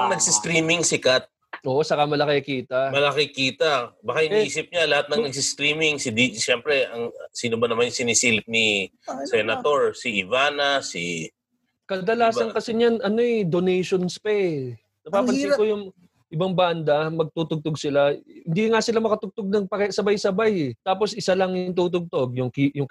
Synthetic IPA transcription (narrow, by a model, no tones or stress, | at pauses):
nɐɡ̚sɪst̪ɾiːmɪŋsɪkat̪̚ | ʔoːʔosɐkamɐlɐkeɐkiːt̪ɐmɐlɐkɪkiːt̪ɐbɐkahɪnʔiːsɪp̚ɲalɐhat̪̚nɐŋnɐɡ̚sɪst̪ɾiːmɪŋsɪd̪iʃɛmpɾɛɐŋsiːnobɐnɐmanjsɪnisiːlɪp̚ni | sɛnɐt̪o̞ɹsiɪvaːnɐsḭ | kɐd̪ɐlaːsɐnkɐsɛɲanɐno̞ɛd̪onɛjʃonspɛ | nɐppaːɐlɪkojʊŋ | ʔɪbaŋband̪ɐmɐɡ̚t̪uːt̪ʊɡ̚t̪oɡ̚sɪlahɪnd̪iŋasɪlamɐkɐt̪ʊɡ̚t̪oɡ̚nɐŋpɐkɛsɐbajsɐbajɛt̪aːpo̞sʔɪsalɐŋjʊŋt̪uːt̪ʊɡ̚t̪o̞ɡ̚jʊŋkijʊŋ